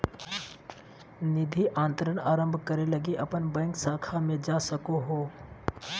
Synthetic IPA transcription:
nɪd̪ʱiʔãːnt̪əɾənaːɾə̃mbʱkɐɾelɐɡeʔɐpənbɛ̃ːŋksaːkʰamẽd͡ʒaːsɐkoɦoː

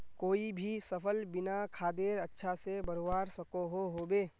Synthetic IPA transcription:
koːibʱisɐpʰəlbɪnakʰaːd̪eːɾɐtːʃʰasebɐɾowaːɾsɐkoɦoɦoːbeː

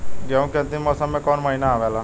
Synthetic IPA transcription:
ɡɛũkẽnt̪imɔːsəmːẽkɔːnməɦinaːʋelaː

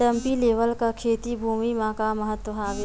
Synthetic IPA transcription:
ɐmpileːʋəlkakʰeːt̪ibʱuːmimãːkamɐɦət̪wɐɦaːʋe

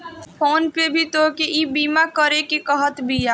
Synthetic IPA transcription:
pʰoːnpebʱit̪okeʔibiːmakəɾekekəɦət̪bʱija

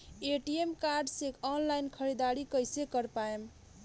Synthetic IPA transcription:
eʈiemkaɾɖsekʰɔnlajnkʰəɾid̪aɾikəjsekəɾpaem

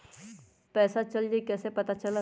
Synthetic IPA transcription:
pɛːsat͡ʃɐld͡ʒekɛːsepɐt̪at͡ʃɐla

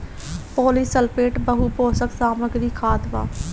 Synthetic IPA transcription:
poːliːsəlpeːʈbəɦuːpoːsəksaːməɡɾiːkʰaːd̪ʋa̰ː

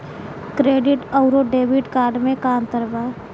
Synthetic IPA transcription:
kɾeːɖɪʈɔʊɾoɖeːbɪʈkaːɾɖmẽkaːnt̪əɾbaː

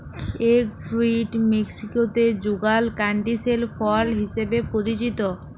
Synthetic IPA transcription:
ekfɾiʈmeksikot̪ed͡ʑuɡalkaɳʈiselfɔlɦiʃebepɾoɾit͡ɕit̪o

